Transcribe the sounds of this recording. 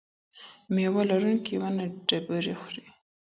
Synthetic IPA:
mewalaɾunkiwanaɖabaɾixɾi

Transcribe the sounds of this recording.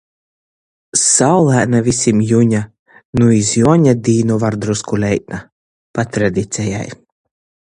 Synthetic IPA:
sawlˠæːnavisʲimjuɲa | nuizjuɔɲad̪iːnuvaɾd̪ɾuskulʲɛjt̪na | pat̪ɾad̪ʲit̪sʲɛja̰j

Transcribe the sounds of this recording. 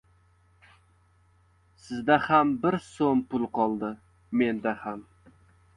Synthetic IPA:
sɪzd̪ahambɪɾsonpʊlˠqʰɒlˠd̪ɪ | me̞nd̪aham

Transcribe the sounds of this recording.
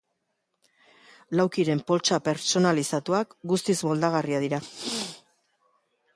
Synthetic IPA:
lawkiɾe̞mpo̞lt͡ʃape̞ɾt͡ʃo̞nalisat̪uakɡust̪izbo̞ld̪aɣ̞ariaðiɾa

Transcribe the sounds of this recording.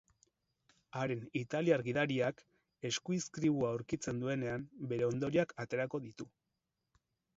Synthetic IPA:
aɾe̞nit̪aliaɾɣiðaɾiak | e̞skuiskɾiβ̞uawɾkit͡se̞nd̪ue̞ne̞ambe̞ɾe̞o̞nd̪o̞ɾiakat̪e̞ɾako̞ðit̪u

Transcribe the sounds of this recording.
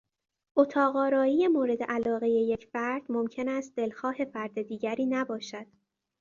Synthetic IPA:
ʔot̪ʰɒːɣɒːɾɒːije̞moːɾe̞d̪e̞̰ʔælɒːɣe̞je̞je̞cʰfæɾd̪̥momcʰe̞næst̪̚d̪e̞lxɒːhe̞fæɾd̪e̞d̪iːɟæɾiːnæbɒːʃæd̪̥

